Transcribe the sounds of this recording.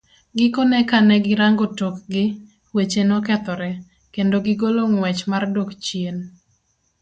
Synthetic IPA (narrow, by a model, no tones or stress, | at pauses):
ɡɪkɔnɛkanɛɡɪɾaŋɡotokɡɪ | wet͡ʃenɔkɛt̪ɔɾɛ | kendoɡɪɡoloŋwɛt͡ʃmardokt͡ʃjen